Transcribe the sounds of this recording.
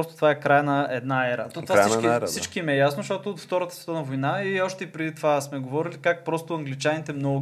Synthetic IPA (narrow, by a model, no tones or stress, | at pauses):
ɔst̪ot̪ovaɛkɾajnɐɛd̪naɛɾə̰t̪ɔvaaiasit͡ʃkimɛjasnosʃt̪ɔt̪ʊːt̪ft̪ɔɾət̪əsvɛ̥t̪ənɐvojnaiɔʃt̪ɛipɾɛd̪it̪ovasmɛɡovɔɾilikak̚pɾɔst̪ʊɐŋɡlit͡ʃanit̪ɛmnɔ